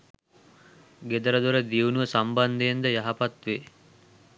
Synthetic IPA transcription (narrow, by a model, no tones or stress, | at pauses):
ɡed̪əɾəd̪oɾəd̪iunuʋəsamband̪ejend̪əjaɦapat̪ʋeː